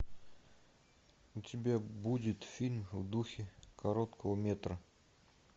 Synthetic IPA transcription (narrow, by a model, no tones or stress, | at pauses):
ʊtʲɪbʲabudʲɪt̪fʲilʲmvd̪uxʲɪkʰɐɾot̪kʰəvəmʲet̪ɾə